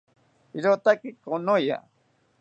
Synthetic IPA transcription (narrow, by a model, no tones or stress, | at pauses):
iɾot̪akɪkonoja̰